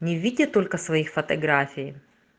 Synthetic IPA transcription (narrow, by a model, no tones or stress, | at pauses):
nʲɪvʲidʲɪt̪olʲkɐsvɐjixfɐt̪ɐɡɾafʲɪj